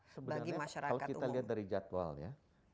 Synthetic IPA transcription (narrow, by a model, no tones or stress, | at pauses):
səbəbaɡimaʃaɾaaloatkiualiɦat̪̚daɾid͡ʒat̪wa̰lja̰